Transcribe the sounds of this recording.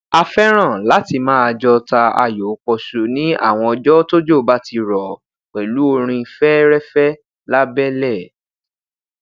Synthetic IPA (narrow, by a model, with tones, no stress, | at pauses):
a˧fɛ˦ɾ̃ã˦˨la˨˦ti˧mãː˦a˧d͡ʒɔ˧ta˧a̰˧jo˨˦k͡pɔ˧su˧nĩ˦a̰˦˨w̃ɔ̃˧ɔ˧d͡ʒɔ˦to˦d͡ʒo˦˨ba˦ti˧ɾɔ˨ | k͡pɛ˨lu˨˦o˧ɾ̃ĩ˧i˧˨fɛ˦ɾɛ˦fɛ˦ | la˦bɛ˦lɛ˦˨